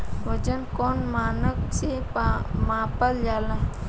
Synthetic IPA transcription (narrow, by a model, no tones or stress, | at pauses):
ʋəd͡ʒənkoːnmaːnəksemãːpəld͡ʒaːla